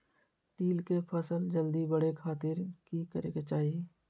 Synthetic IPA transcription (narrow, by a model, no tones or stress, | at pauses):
t̪iːlkepʰəsəld͡ʒəld̪ibəɽekʰaːt̪ɪɾkikəɾeːɡet͡ʃaːɦijeː